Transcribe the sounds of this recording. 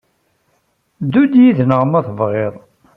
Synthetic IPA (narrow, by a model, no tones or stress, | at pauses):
d̪udjiðnəʁmæθəvʁeðˤ